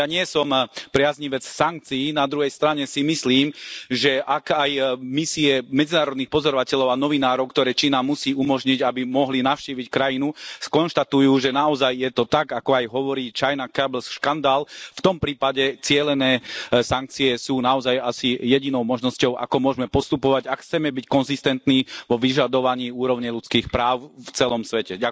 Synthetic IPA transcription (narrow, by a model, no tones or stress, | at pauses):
jaɲɪɛsɔmpɾɪazɲiʋɛt͡ssaŋk̚t͡siːnad̪ɾuɦɛjst̪ɾaɲɛsimisliːmʒɛʔakajmisiɛmɛd͡zinaːɾɔd̪niːxpɔzɔɾɔʋacɛʎɔʊanɔʋinaːɾɔʊkt̪ɔɾɛːt͡ʃiːnamusiːumɔʒɲiɟabimɔɦlinaʊʃciːʋickɾajinukɔnʃt̪at̪ujuːʒɛnaɔzajːjɛt̪ɔt̪aɡakɔajɦɔʋɔɾiːt͡ʃajnakablsʃkand̪aːlft̪ɔmpɾiːpaɟɛt͡sɪɛlɛnɛːsaŋk̚t͡siɛsuːnaɔzajasijɛɟinɔʊmɔʒnɔscɔʊʔa̰kɔmʊɔʒmɛpɔst̪upɔʋaɟakxt͡sɛmɛbickɔnzist̪ɛnt̪niːʋɔʋiʒad̪ɔʋaɲiːuːɾɔʊɲɛjlut͡skiːxpɾaːʊft͡sɛlɔmsʋɛcɛɟa